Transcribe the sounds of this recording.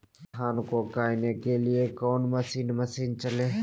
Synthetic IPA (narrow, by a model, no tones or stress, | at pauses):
aːnkokaːɪnekelɪekɔːnməsiːnməsiːnt͡ʃəleː